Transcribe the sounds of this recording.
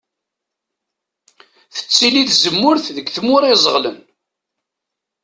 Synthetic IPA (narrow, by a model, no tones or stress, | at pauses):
θə̥t͡sːiliθzəmːʊɾθðəɡθəmʊɾˤizˤəʁlə̰n